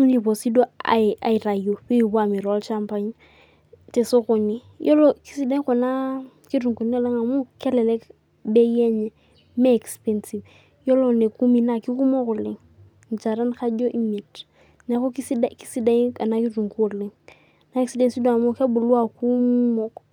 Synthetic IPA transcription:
ŋ˦li˨po˨si˦do˦a̰˨a̰˨i˨ɾa˨jo˨pi˦i˨ba˦˨mi˨ɾa˦lt͡ʃa˦mpa˦ɲ | tɛ˨so˦ko˨ni˦ | jʔɔ˦lɔ˨ki̥˦si˦da˦i˦ko˨na˦ | ki˦ɾu˨ŋko˨ni˦e˦˨le˦ŋa˨mu˦kɛ˦lɛ˨lɛ˦k | bɛ˦jɛ˦ɲɛ˨ | meː˦˨kspɛ˦nsi˨v | jo˦lo˨ne˨ku˦mi˨na˨ki˦ku˦mo˦ku˨lɪ˨ŋ | n˨t͡ʃa˨ɾa˦nka˦d͡ʒo˦ʔi˦mi˨t | nɛ˨ko˦ki˦si˦daki˦si˦da˦i˦ka˨na˦ki˦ɾu˨ŋku˦˨lɪ˦ŋ | na˦ɛ˦ksde˦nsi˦do˦a˨mu˦ke˦bu˨lwa˦˨ku˦mɔ˨k

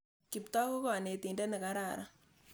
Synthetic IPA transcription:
ki˨pt̪ɔ˦ko˦kɔ˨ne˨t̪i˨ndɛ˦ne˨ka˦ɾa˨ɾa̰˦

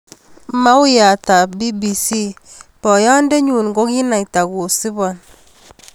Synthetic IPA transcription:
ma˦u˦ja˨ta˨bi˦bi˨si˦ | pɔ˨ja˦n˦de˦ɲu˨n˨ɡo˦ki˦na˨i˨ta˨ɡu˨si˦bɔ˨n

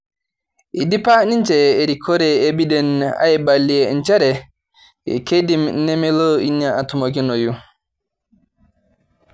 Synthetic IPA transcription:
i˨di˦pa˦ni˦nd͡ʒɛː˨ɾi˨kʰɔ˦ɾɛ˨ebi˦dɛ˨na̰˦jɛbalːi˨ɛnd͡ʒɛ˦ɾɛ˨ | ḭ˨ke˦dimnɛ˦mɛ˦lo˦i˦ɲa˨a˨tu˨mo˨ɡi˦no˨ju˦

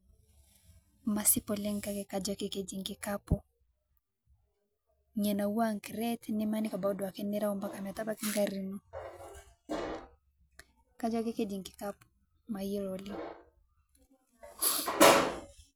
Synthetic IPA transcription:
ma˨si˦pɔ˨lɛ˦ŋka˦kɛ˨kad͡ʒake˦ke˨d͡ʒi˨ŋɡi˨kapɔ˦ | ɲɛ˨na˨wa˦ŋki˨ɾɛ˦tnɪ˦ma˦ni˦ka˨ba˨u˦dɔ˨a˨ke˦nɛ˦ɾa˦ɔ˦mba˦ka˨m˨a˨ta˦ba˦ki˦ŋɡaɾi˦nu˦ | ka˦d͡ʒwa˦ke˦ke˦d͡ʒi˨ŋɡi˨kapɔ̥ | mai˦ɾɔli˦

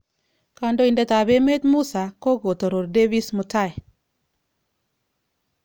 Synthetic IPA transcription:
ka˨ndo˦i˨ndɛ˦ta˨be˦me˦t̪mu˦sa˨ko˦ɡo˨to˨ɾo˨ɾde˦bi˦smu˨ta˦ɛ˨

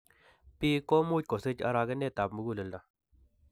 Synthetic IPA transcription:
pi˦kɔ˦mu˦ko˨se˦t͡ʃa̰˧ɾa˧ɡə˦ne˦˨ta˨bmu˨˦ɡu˦lə˨lda˨

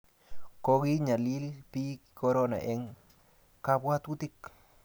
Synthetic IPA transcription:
ko˧ɡi˦ɲa˨li˦lpi˦kko˧ɾo˦na̰˨ʔe˧ŋ | ka˧bwa˦t̪u˦t̪i˦k

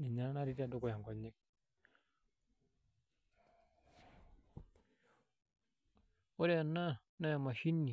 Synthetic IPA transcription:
ni˨ɲa˦na˦ɾi˦ti˦a˨do˦ko˨ja˨ŋ˨ko˨ɲːi˦k̚ | o˦ɾe˦a˨nːa˦ | na˦ja˨ma˨ʃi˦nːi˨

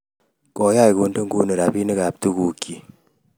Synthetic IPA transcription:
kɔ˨˦ja˦jko˨ndo˦ŋɡu˦nə˨ɾa˨pi˦nə˦ka˨p̚tu˦ku˨kːi˨

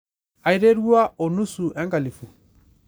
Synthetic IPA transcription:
a˨i˨ɾe˦ɾu˦a˦ɔ˨nu˦su˨ʔɛ˦ŋka˨li˨fu˨

